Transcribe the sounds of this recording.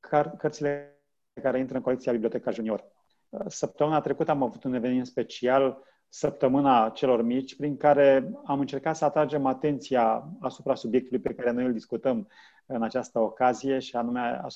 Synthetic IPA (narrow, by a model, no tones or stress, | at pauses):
kʰkərt̪sile | ekaɾe̞int̪ɾəɨŋkoekt̪siabibliot̪ekaʒunio̞r | səp̚t̪əmɨnat̪ɾe̞kut̪əamavut̪une̞venimenspe̞t͡ʃial | səp̚t̪əmɨnat͡ʃe̞lo̞rmit͡ʃʲpɾiŋkaɾe̞amɨnt͡ʃe̞rkat̪səat̪ɾad͡ʒe̞mat̪e̞nt̪sijaasupɾasubje̞k̚t̪ulujpe̞kaɾe̞no̞jɨld̪iskut̪əm | ɨnat͡ʃast̪əokazije̞ʃianumea̰